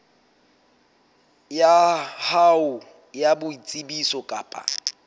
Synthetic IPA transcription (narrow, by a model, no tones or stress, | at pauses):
jahaʊ | jabʊit͡sʼibisɔkʼa̰ːpʼa̰